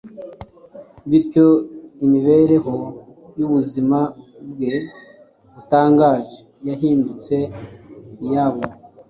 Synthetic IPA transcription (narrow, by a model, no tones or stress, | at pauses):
βiɾco̞imiβeɾe̞ɦo̞ | juβuzimabɡe | βutaːŋɡaːʒe | jaɦiːndut͡se̞ | ijaβo